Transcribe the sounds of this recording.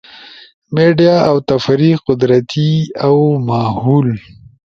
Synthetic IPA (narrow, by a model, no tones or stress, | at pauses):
meɖijaːwt̪afɾiqʊd̪ɾat̪iawmahul